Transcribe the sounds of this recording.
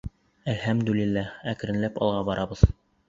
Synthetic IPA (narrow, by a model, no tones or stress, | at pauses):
ælhæmd̪ʉlilːææk̆ɾɘ̆nlæpɑ̰lˠʁɑbɑɾʔɑbɤð